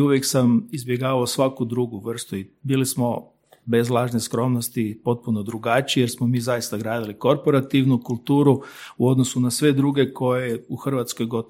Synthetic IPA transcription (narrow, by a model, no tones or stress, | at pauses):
uʋjeksamizbjeɡaːʋaosʋakud̪ɾuɡuʋr̩st̪uibiːlismo̞ | be̞zlˠaːʒneskɾo̞mnost̪ipo̞t̪̚puno̞d̪ɾuɡat͡ʃijeɾsmomiːzajist̪aɡɾaːd̪iliko̞ɾpo̞ɾat̪iʋnukulˠt̪uːɾuuo̞d̪no̞sunasʋe̞d̪ɾuɡe̞ko̞jeuxr̩ʋat̪skojɡo̞t̪